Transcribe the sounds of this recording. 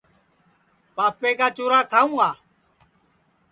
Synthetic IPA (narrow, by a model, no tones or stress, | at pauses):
paːpeːkaːt͡ʃoːɾaːk̪ʰaːũːaː